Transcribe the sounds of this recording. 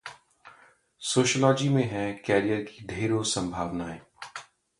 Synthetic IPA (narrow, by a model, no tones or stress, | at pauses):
soːʃəlɔːd͡ʒimẽɦɛ̃kɛːɾijəɾkid̪ʱeːɾõsɐ̃mbʱaːʋnaɦɛː